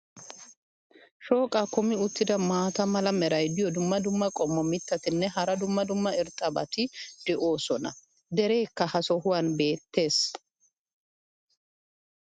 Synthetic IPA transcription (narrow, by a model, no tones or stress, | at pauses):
ʃo̞ːkʼakʊmɪʊt̪ːɪd̪ɐmaːt̪ɐmɐlɐmɛɾɐjd̪ɪjɔd̪ʊmːɐd̪ʊmːɐkʼɔmːɔmɪt̪ːɐt̪ɪnːɛɦɐɾɐd̪ʊmːɐd̪ʊmːɐɪɾt̪ʼɐbɐ̰t̪ɪd̪ɛʔo̞ːsɔnɐ | d̪ɛɾe̞ːkːɐhɐsɔɦʊwɐnbe̞ːt̪ːe̞ːs